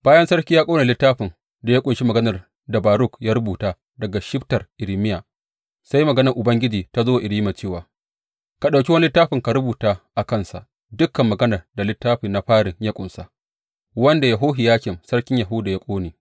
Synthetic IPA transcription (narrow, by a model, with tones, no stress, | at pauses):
b̥aː˦jɐ˦nsɐ˦rkʲi˦jaː˦kʷʼoː˦neː˨lɪ˦tːaː˦ɸɪ˨n | da˨ja˦kʷʼʊ˨nʃi˦mɐ˨ɡɐ˦nɐ˨r | da˨baː˨ɾʊ˦˨kjaː˦ɾʊ˦buː˨taː˦ | dɐ˨ɡa˨ʃɪ˦ɸtɐ˨rʔɪ˨ɾi˨mɪ˦ja˨ | sa˦ji˦mɐ˨ɡɐ˦nɐ˨rʔʊ˨bɐ˦ŋɡʲɪ˦d͡ʒiː˨ta˦zoː˦˨ʔɪ˨ɾiː˦ma˨t͡ʃeː˦˨waː˨ | ka˨ɗa˨wkʲi˦wɐ˦n˦lɪ˦tːaː˦ɸɪ˨ŋka˨ɾʊ˦buː˨taː˦ʔa˨kɐ˦˨nsa̰˨ʔ | dʊ˦kːɐ˨mːɐ˨ɡɐ˦nɐ˨rda˨lɪ˦tːaː˦ɸi˨na˦ɸaː˦ɽɪ˨ŋja˦kʷʼʊ˨nsa̰˨ʔ | wɐ˦nda˨ja˨ɦoː˦ɦi˨jaː˦kʲɪ˨msɐ˦rkʲɪ˦ɲja˨ɦʊ˦da˨ja˦kʷʼoː˦neː˨